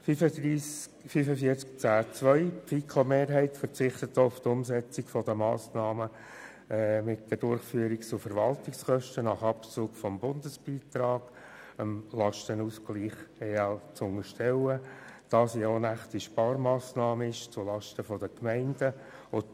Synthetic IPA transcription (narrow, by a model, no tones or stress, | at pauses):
fyədiː | fyfəfiəɾt͡skt͡sæːt͡sʋœʏpfikʰomeːɾɦɛɪtfəɾt͡sɪχt̪ətːoʊft̪ʊmsɛt͡sikfɔd̥əmɑ̰ːsnɑːmə | mɪtd̥ədʊɾχfyəɾikt͡sʊfəɾʋɑltɪkskœʃtənɑχɑpt͡suːɡfɔmbʊndəsb̥iːtɾɑːɡ̥ | əmlɑʃtənuːskliːχeɑt͡sʊŋəʃtɛwəd̥ɑːsjonæχtiʃpɑːɾmɑːsnɑːməɪʃt͡sʊlɑʃtəfɔdəkmɛɪndə | ʊ